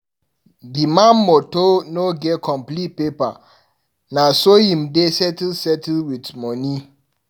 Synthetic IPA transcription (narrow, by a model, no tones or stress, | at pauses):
dimãnːotonoɡɛkʰɔ̃mplit̚pepa | nasojĩmdesɛtsɛtlwitmɔni